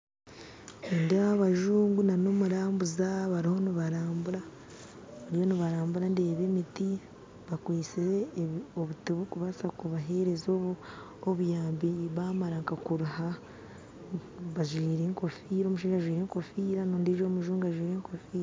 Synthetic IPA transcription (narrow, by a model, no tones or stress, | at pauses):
endeaβaʒuːŋɡunano̞muɾaːmbuzaβaɾiho̞niβaɾaːmbuɾa | βaɾijoniβaɾaːmbuɾandeːβemiti | βakwiːsiɾeoβutiβukuβasakuβaɦe̞ɾe̞zoβu | oβujaːmbiβamaɾaŋkakuɾuha | βaʒwiːɾeŋko̞fiːɾoːmuʃiːʒaaʒwiːɾeŋko̞fiːɾanoːndiʒomuʒuːŋɡuaʒwiːɾeːŋkofiːɾa